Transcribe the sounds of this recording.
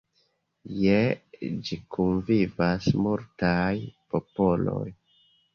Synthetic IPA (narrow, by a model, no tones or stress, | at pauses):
jed͡ʒikunvivasmuɾtajpo̞po̞lo̞̰j